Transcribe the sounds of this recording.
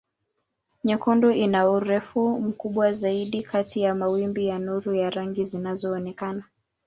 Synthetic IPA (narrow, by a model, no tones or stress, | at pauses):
ɲɛkɔndɔinauɾɛfum̩kuɓwazaiɗikatijamawimbijanuɾujaɾaŋɡizinazɔːnɛkana